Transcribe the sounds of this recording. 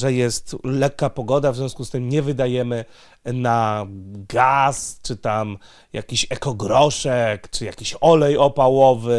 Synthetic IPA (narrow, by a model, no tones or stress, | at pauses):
ʐɛjɛst̪lɛkːapɔɡɔd̪avzʲjɔ̃skust̪ɘmɲɛvɘd̪ajɛmɘ | naɡast͡ʂɘt̪am | ja̰kʲiɕɛkɔɡɾɔʂɛkt͡ʂɘjakʲiɕɔlɛjɔpawɔvɘ